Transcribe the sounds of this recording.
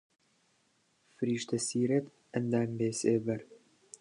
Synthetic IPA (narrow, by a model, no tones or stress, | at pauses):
fɨɾiːʃt̪ɐsiːɾɐt̪ | ɐnd̪aːmbeːseːbɐɾ